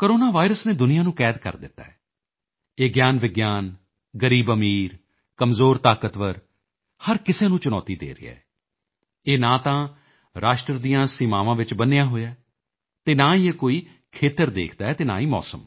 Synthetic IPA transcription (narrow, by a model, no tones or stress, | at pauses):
koɾoːnaːʋaːɪɾəsneːd̪ʊnɪjãːnũːkɛːd̪kə̰ɾd̪ɪt̪ːa̰ːɛː | eːɡjaːnʋɪɡjaːn | ɡəɾiːbəmiːɾ | kəmzoːɾt̪aːkət̪ʋəɾ | həɾkɪseːnũːt͡ʃʊnɔ̰ːt̪iːd̪ḛːɾɪ̰jɛ̰ː | eːnãːt̪ãː | ɾaːʃʈɾəd̪ijãːsɪmaːʋãːʋɪt͡ʃbənejãːɦoːjaː | t̪eːnãːieːkoːiː | kʰeːt̪əɾd̪ḛːkʰd̪aːɛːt̪eːna̰ːiːmɔ̰ːsəm